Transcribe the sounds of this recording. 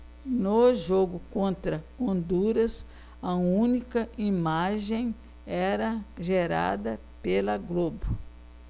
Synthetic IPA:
noʒoɡʊkõnt̪ɾɐ | õnd̪uɾɐs | ɐũnikɐʔimaʒẽj̃ | ɛɾɐʒeɾa̰d̪ɐ | pelɐɡlobʊ

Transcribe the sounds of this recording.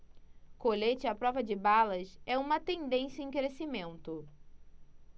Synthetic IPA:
koʎet͡ʃɪapɾɔvɐd͡ʒɪbalɐsɛũmɐt̪ẽnd̪ẽsjɐẽkɾesimẽnt̪ʊ

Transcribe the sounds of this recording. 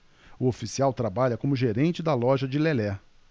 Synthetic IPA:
ʊofisiawt̪ɾabaʎɐkõmʊʒeɾẽnt͡ʃɪd̪ɐlɔʒɐd͡ʒɪlelɛ

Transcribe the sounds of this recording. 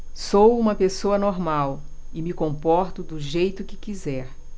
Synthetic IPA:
sowũmɐpesoɐnoɾmawɪmɪkõmpɔɾt̪ʊd̪ʊʒejt̪ʊkɪkizɛɾ

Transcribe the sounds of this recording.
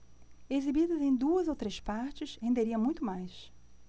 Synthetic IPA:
ezibid̪ɐzẽj̃d̪uɐzowt̪ɾespaɾt͡ʃɪshẽnd̪eɾiɐ̃mũj̃t̪ʊmajs

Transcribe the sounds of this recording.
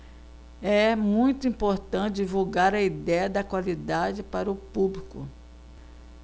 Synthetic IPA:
ɛmũj̃t̪ʊĩpoɾt̪ɐ̃tt͡ʃɪd͡ʒivuɡaɾɐid̪ɛjɐd̪ɐkwalid̪ad͡ʒɪpaɾɐʊpublikʊ̰

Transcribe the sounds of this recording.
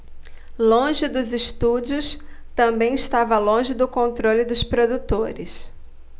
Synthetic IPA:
lõʒɪd̪ʊzɪʃt̪ud͡ʒiʊst̪ɐ̃mbẽj̃ɪst̪avɐlõʒɪd̪ʊkõnt̪ɾolɪd̪ʊspɾod̪ut̪oɾɪs

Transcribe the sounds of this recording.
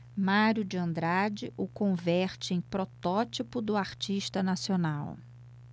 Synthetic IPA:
maɾjʊd͡ʒɪɐ̃nd̪ɾad͡ʒɪʔʊkõvɛɾt͡ʃɪẽj̃pɾɔt̪ɔt͡ʃipʊd̪ʊaɾt͡ʃiʃt̪ɐnasionaw

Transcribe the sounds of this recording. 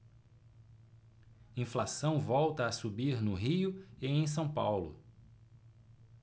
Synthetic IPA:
ĩflasɐ̃w̃vɔwt̪ɐːsubiɾnʊɦiʊɪẽj̃s̬ɐ̃w̃pawlʊ̰

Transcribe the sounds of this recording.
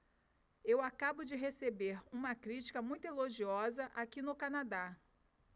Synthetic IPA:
ewakabʊd͡ʒɪɦesebeɾũmɐkɾit͡ʃi̥kɐmũj̃t̪ʊeloʒiɔzɐʔakinʊkanad̪a

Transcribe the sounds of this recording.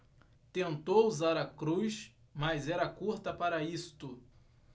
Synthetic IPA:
t̪ẽnt̪owuzaɾɐkɾujs | mɐzɛɾɐkuɾt̪ɐpaɾɐist̪ʊ

